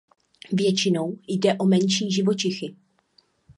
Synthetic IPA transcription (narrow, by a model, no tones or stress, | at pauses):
vjɛt͡ʃɪno̞wjdɛʔo̞mɛnʃiːʒɪvot͡ʃɪxɪ